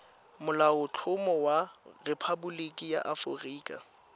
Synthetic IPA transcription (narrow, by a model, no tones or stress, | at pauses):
mʊlaʊt͡ɬʰʊmɔwarepʰabʊlikʼija̰ʔafʊ̰riːkʼa̰